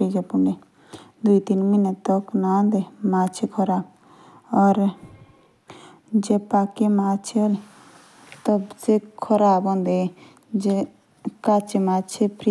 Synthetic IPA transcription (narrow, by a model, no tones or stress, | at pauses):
id͡ʒepuɳɖe | d̪uit̪inminet̪ɔknand̪emat͡ʃʰekʰɔɾaːb | ɔɾ | d͡ʒepakemat͡ʃʰeoli | t̪ɔbsekʰɔɾabɔnd̪e | d͡ʒe | kat͡ʃemat͡ʃʰepɾi